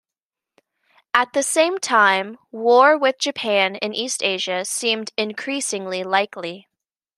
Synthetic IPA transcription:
ɨt̪̚ðɨsẽɪ̃mtʰãɪ̃mwɔɹwɪðd͡ʒɨpʰæ̃nɨ̰̃nʔisteɪʒɨsĩmdɨ̃nkʰɹ̥isɪ̃ŋlilaɪkli

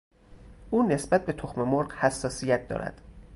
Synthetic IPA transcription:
ʔuːne̞sbæt̪̚be̞t̪ʰoxme̞moɾɢhæsːɒːsijæt̪̚d̪ɒ̰ːɾæ̰d̪̥

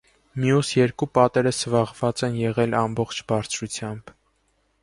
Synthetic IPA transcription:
mjusjɛɾkupɑt̪ɛɾəsvɑʁvɑt͡sɛnjɛʁɛlɑmbɔχt͡ʃʰbɑɾt͡sʰɾut͡sʰjɑmb̥

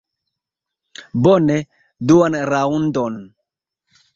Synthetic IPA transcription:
bone | duanɾaundon

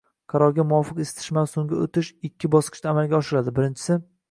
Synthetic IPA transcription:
qʰɑɾɒɾɡʲamʊwɒfɨqest̪ʰɪ̥ʃmansoŋɡʲaot̪ʰɪʃɪkʲːɪbɒsqɨ̥ʃt̪aːmalɡʲaɒʃɪɾad̪ɪbɪɾɪnt͡ʃʰɪ̥sɪ

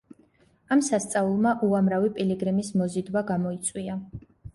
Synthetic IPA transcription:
amsast̪sʼaulˠmaʔuamɾavipʼiliɡɾɛmismɔzid̪waɡamɔit̪sʼwia

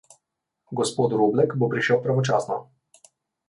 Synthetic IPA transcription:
ɡospot̪ɾublɛkbopɾiʃɛwpɾavot͡ʃasnɔ̰

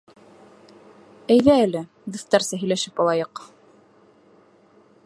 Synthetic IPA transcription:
æjðæælɘ | ðɤ̆θt̪ɑɾsæɦɵ̆jlæʃɘpɑlˠɑjɤq

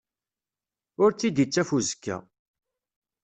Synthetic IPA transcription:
ʊɾt͡sːid̪jit͡sːæfuzkːæ̰

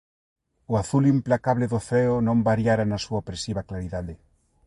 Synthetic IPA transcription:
oaθulimplakaβleðoθɾɛonõmbaɾjaɾanasuaopɾesiβaklaɾiðaðe

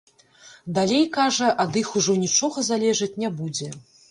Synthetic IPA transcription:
d̪alʲejkaʐɐʔɐd̪ɨxuʐɔnʲit͡ʂɔɣɐzalʲɛʐɐt͡sʲnʲɛbud͡zʲɛ

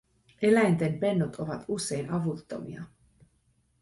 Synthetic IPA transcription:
ʔe̞læjnt̪empe̞nːot̪ʰo̞ʋɑt̪usːe̞jnɑʋut̪ːo̞̰mḭɑ

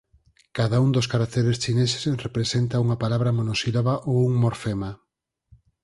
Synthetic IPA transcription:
kaðaund̪oskaɾak̚t̪eɾest͡ʃinese̥srepɾesent̪auŋɐpalaβɾɐmonosiloβaʔouŋmoɾfema

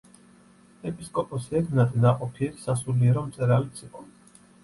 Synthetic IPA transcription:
ɛpʼiskʼɔpʼɔsɛɾnat̪ʼɛnaqʼɔpʰiɛɾsasuliɛɾɔmt̪sʼɛɾalit̪sʰiqʼɔ

